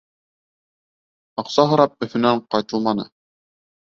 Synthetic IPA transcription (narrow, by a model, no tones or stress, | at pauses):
ɑqsɑɦɤ̆ɾɑp̚ɵ̆θɵ̆næɴqɑt̪ɤlˠmɑnɤ̰